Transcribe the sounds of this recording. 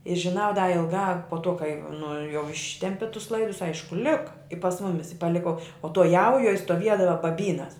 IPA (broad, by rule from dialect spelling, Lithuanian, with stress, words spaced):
ɪ ʒʲɪˈnɐʊ dɐ ɪlˠˈɡɑː poː toː kɐɪ nʊ jɛʊ ˈɪʃʲtʲɛmʲpʲɪ tʊs ˈlˠɐɪdʊs ˈɐɪʃkʊ ˈlʲɪkɐ ɪ pɐs ˈmʊmʲɪs ɪ pɐˈlʲɪkoː oː toː ˈjɛʊjuɔj stoːˈʋʲiɛdɐʋɐ bɐˈbʲiːnɐs